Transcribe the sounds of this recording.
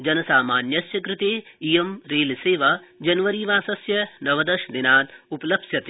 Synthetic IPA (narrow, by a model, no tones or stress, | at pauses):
d͡ʒɐnɐsaːmaːnjɐsjɐkɾɪt̪eːijɐmɾeːlseːʋɐd͡ʒɐnʋɐɾiːʋaːsɐsjɐnɐʋɐd̪ɐʃd̪inaːt̪upɐlɐbsjɐt̪e